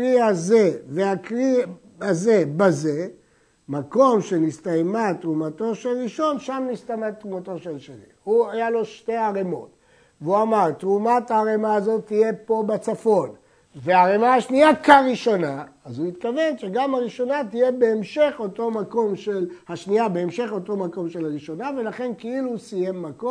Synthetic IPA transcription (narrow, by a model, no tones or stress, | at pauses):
ʁiaze̞veakʁi | aze̞baze̞ | mako̞mʃe̞nist̪ajmat̪ʁumato̞ʃelʁiʃo̞nʃamnist̪amat̪ʁumato̞ʃelʃenḭhuajalo̞ʃte̞aʁemo̞̰t | veuamaʁtʁumataːʁemaːzo̞t̪ːije̞po̞bet͡safo̞n | ve̞aʁemaaʃniakaʁiʃo̞naazuit̪kave̞nʃeɡamhaʁiʃo̞natije̞be̞ːmʃe̞χoto̞mako̞mʃelhaʃniabe̞ːmʃe̞χo̞to̞mako̞mʃe̞laʁiʃo̞nave̞laχe̞nkeiluːsije̞mːako